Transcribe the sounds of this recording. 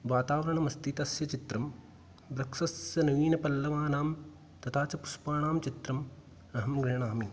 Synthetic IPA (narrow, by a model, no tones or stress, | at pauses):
ʋaːt̪aːʋɐɾɐɳɐmɐst̪ʰit̪ɐsjɐt͡ʃit̪ɾɐm | ʋɾɐkʂɐsjɐnɐʋiːnɐpɐlːɐʋaːnaːm | t̪ɐt̪ʰaːt͡ʃɐpuspaːɳaːmt͡ʃit̪ɾɐm | ɐɦɐmɡɾiɦɳaːmi